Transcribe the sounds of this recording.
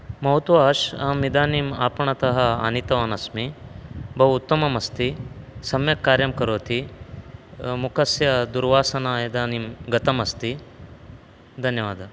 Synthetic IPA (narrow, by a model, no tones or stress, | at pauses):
mɐɦut̪ʋaːʃɐmid̪aːnima̰ːpɐɳ̃ɐt̪ɐɦɐa̰ːnit̪ɐʋaːnɐsmibʱɐʋut̪ːɐmɐmɐst̪isɐmjɐkːaːɾjɐmkɐɾoːt̪ʰi | mukʰɐsjɐd̪uɾʋaːsɐnaːjɐd̪aːnimɡɐt̪ɐmɐst̪i | d̪ʱɐnjɐʋaːd̪ʱɐ